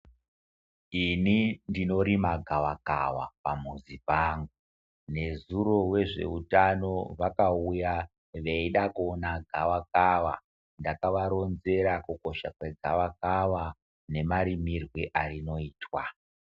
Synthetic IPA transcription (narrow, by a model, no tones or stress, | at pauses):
inindino̞ɾimaɡʱaʋaka̰wa̰pamuzipaːŋɡu | ne̞zuro̞we̞ʐe̞̰utano̞ʋakauja | ʋeiɗakonaɡʱaʋakaʋa̰ | ndakaʋaɾo̞nze̞ɾakuko̞ʃakwe̞ɡʱaʋakaʋa | ne̞maɾimirweʔarino̞iːtwa